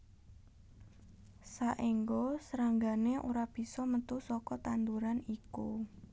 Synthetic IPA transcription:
saʔiŋɡosəɾaŋɡaneʔuɾab̥i̤sɔmət̪usɔkɔt̪and̪uɾaniku

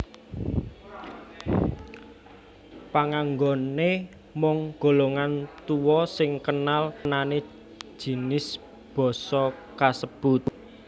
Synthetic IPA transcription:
paŋaŋɡɔne | mɔŋɡ̥o̤loŋant̪uwɔsɪŋkənalnane̥ | ʒ̥i̤nɪs | b̥ɔ̤sɔkasəb̥ʊt̪̚

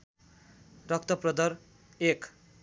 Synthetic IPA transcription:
rʌk̚t̪ʌprʌd̪ʌɾ | ek

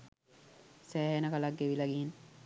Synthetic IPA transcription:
sæːɦenəkalaɡːeʋilaɡien

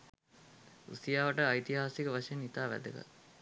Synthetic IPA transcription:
ṵsijaːʋɐʈəajt̪iɦaːsikəʋaʂɐjenit̪aːʋæ̰d̪əɡa̰

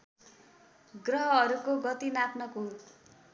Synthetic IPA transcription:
ɡrʌɦʌːɾukoɡʌt̪inapnʌkot̪

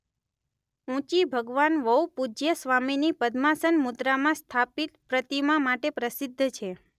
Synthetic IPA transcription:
ũt͡ʃibʱəɡʋanʋəupud͡ʒjəsʋaminipəd̪masənmʊd̪ɾamãst̪ʰapit̪pɾət̪imãmaʈepɾəsid̪ʱːt͡ʃʰe

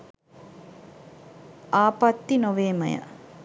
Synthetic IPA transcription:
aːpat̪ːinoʋeːmə̰jə̰

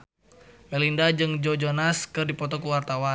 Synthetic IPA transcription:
mɛlindad͡ʒɨŋd͡ʒɔd͡ʒɔnaskɨrdipɔt̪ɔkuwart̪awa

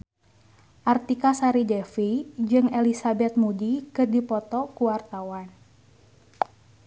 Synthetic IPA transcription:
ʔart̪ikasaɾidɛfid͡ʒɨŋelisabɛt̪̚mudikɨrdipɔt̪ɔkuwart̪awan

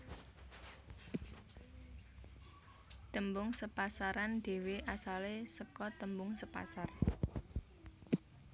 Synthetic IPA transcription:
t̪əmbʊŋsəpasaɾanɖ̪̥e̤weʔasalesəkɔt̪əmbʊŋsəpa̰sar

